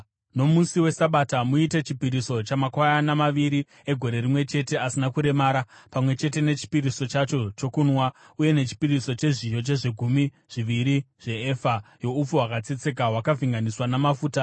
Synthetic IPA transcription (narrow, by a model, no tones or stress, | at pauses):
no̞musiwe̞saɓatamuite̞t͡ʃipiɾiso̞t͡ʃamakwajanamaʋiɾi | e̞ɡʱo̞ɾe̞rimwe̞t͡ʃe̞te̞asinakuɾe̞maːɾapamwe̞t͡ʃe̞te̞ne̞t͡ʃi̥piɾiso̞t͡ʃat͡ʃo̞t͡ʃo̞kunwa | uje̞ne̞t͡ʃi̥piriso̞t͡ʃe̞ʐijo̞t͡ʃe̞ʐeɡʱumi | ʐ̥iʋiɾiʐ̥e̞eːfajo̞up͡fuɦwakat͡set͡se̞k̬aɦwakavʱiŋɡaniswanamafuːta